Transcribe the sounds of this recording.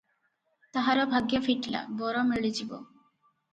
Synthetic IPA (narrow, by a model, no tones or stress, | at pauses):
t̪aɦaɾobʱaɡjefiʈla̰bɔɾomeɭid͡ʑibo̰